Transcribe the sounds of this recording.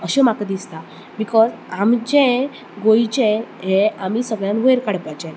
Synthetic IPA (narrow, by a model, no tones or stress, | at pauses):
əɕemakad̪ist̪a | bikɔzamd͡ʑẽ | ɡoit͡ɕẽɦeamiːsəɡɭjãnʋəjɾkaɽpat͡ɕẽ